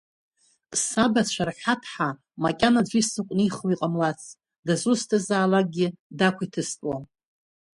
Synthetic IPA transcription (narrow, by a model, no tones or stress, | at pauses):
sabat͡ɕʷʰarħatʰħa | makʲʼanad͡ʒʷisɨkʷʼniχwiqʼamlat͡sʰ | dazustʰazaːlaɡʲɪdakʷʰitʰɨstʼwa